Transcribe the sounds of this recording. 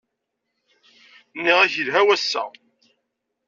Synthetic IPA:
nːiʁæçəlɦæwæsːæ̰

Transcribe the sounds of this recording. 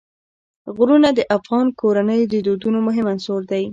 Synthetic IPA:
ɣɾunad̪əʔafɣɑnkʰoɾanəjod̪əd̪od̪unomʊɦɪmansoɾd̪aj

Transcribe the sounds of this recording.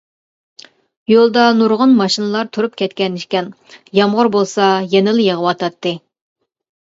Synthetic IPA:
jolˠd̪ɑnuɾʁʊnmɑʃinɨlˠɑɾt̪ʰuɾup̚kʲʰɛt̪kʲɛniʃkʲɛn | jɑmʁʊɾbolˠsɑjenɪljeʁəwɑt̪ʰɑt̪ʰːɨ

